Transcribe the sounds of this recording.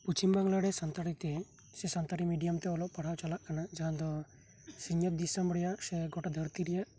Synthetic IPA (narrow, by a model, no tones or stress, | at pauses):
put͡ʃimbaŋlaɽɛsant̪aɾit̪ɛ | sɛsant̪aɾimiɖijamt̪ɛɔlɔʔpaɽ̤awt͡ʃalaʔkanad͡ʒaɦãd̪ɔ | siɲɔt̪̚d̪isambɾɛjaʔsɛɡɔʈad̪ʱəɾt̪iɾɛjaʔ